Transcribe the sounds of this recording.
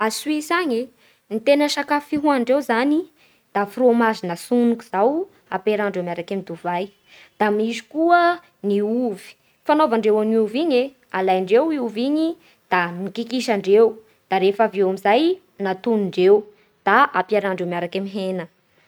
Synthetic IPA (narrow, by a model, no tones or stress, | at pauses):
aswisaɲe | nit̪enəʃakafiɦuaɳɖ͡ʐewzani | d̪̥afuromazinəsunukuz̥aw | apeɾaɳɖ͡ʐemaɾakamid̪uvaj | d̪̥amizi̥kuə | niuvi̥ | fanovaɳɖ͡ʐewaniuviɲe | alajɳɖ͡ʐewiuviɲi | d̪̥amikikiʃaɳɖ͡ʐew | d̪̥aɾefavewamizaj | nat̪unuɳɖ͡ʐew | d̪̥aʔapiaɾaɳɖ͡ʐewmaɾakamiɦenə